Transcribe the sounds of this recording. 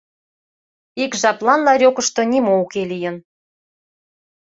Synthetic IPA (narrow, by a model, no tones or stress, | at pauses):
ikʒɑplɑnlɑɾʲokəʃt̪ŏnimoukelijə̆n